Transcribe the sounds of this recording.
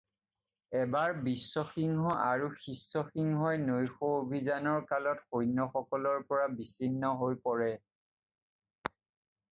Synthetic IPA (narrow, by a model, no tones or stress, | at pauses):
ɛbaɹbisːɔxiŋɦɔʔaɹuxisːɔxiŋɦɔjnojxoobʱizanɔɹkalɔtxojnːɔxɔkɔlɔɹpɔɹabisinːɔɦojpɔɹɛ